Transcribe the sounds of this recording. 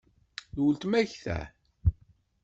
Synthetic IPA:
ðwəlt̪mæçθæ̰

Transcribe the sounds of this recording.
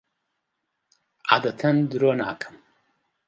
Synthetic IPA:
ʔaːd̪ɐt̪ʰɐnd̪ɨɾoːna̰ːkʰɨ̥m

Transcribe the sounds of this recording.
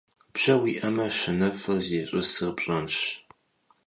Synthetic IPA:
bɕɐwiːʔɐmɐʃɨnɐfɨrzeːɕʼɪsɨrpɕʼɐmɕ

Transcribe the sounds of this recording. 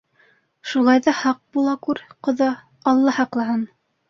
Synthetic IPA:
ʃulˠɑjðɑhɑq̚bulˠɑkʉɾqŏðɑ | ɑlˠːɑhɑqlˠɑɦɑn

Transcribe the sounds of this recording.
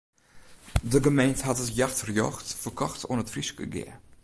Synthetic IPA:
dəɡəmejntəɦatətjaxtrjɔ̰xtfərkɔxtʰɔnətfriskə̰ɡɪ̰ə

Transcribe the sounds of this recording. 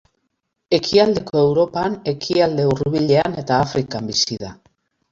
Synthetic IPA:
e̞kʰiald̪e̞ko̞e̞wɾo̞pane̞kʰiald̪e̞uruβiʎe̞ane̞t̪aːfɾikambisiða

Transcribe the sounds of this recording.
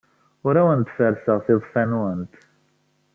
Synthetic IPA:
ɾawənt̪fæɾsəʁθiðˤfænuənt̪

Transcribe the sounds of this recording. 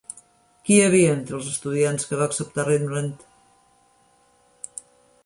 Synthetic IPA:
kiəβ̞iəent̪ɾəlˠzəst̪uðianskəβaːksəp̚t̪arenmlənt̪

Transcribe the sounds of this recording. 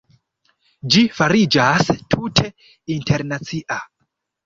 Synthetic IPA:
d͡ʒifaɾid͡ʒastʰutʰe̞ | intʰeɾnat͡siʔa

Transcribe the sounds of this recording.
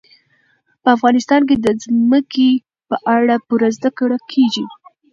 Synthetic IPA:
pəafɣɑnɪst̪ɑnk̬ed̪əzməke | pəʔaɽapuɾazd̪akəɽəlkʰeɡi

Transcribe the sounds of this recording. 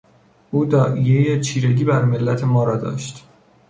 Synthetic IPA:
ʔuːd̪ɒːʔijejet͡ʃʰiːɾeɟiːbæɾme̞lːæt̪ʰe̞mɒːɾɒːd̪ɒ̰ːʃt̪

